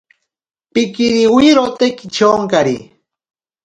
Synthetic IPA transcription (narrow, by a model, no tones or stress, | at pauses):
pɪkiɾiwiɾot̪ekit͡ʃoŋkaɾḭ